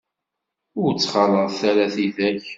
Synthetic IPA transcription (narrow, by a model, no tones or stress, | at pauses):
ʊɾt͡sːχɑlˤəʁθæɾæθiθæç